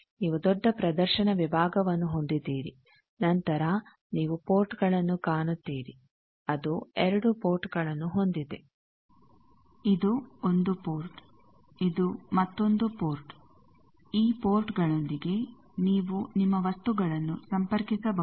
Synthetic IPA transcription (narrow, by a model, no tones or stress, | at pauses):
niːʋud̪ɔɖːɐpɾɐd̪ɐɾʃɐnɐʋibʱaːɡɐʋɐnːuɦo̞nd̪id̪iːɾḭ | nɐnt̪ɐɾɐ | niːʋupo̞ːɾʈɡɐɭɐnːukaːɳut̪ːiːɾi | ɐd̪uɛɾɐɽupoːɾʈɡɐɭɐnːuɦo̞nd̪id̪e̞ | id̪uond̪upoːɾʈ | id̪umɐt̪ːo̞nd̪upoːɾʈ | iːpoːɾʈɡɐɭo̞nd̪iɡe̞ | niːʋunimːɐʋɐst̪uɡɐɭɐnːusɐmpɐɾkisɐbɐ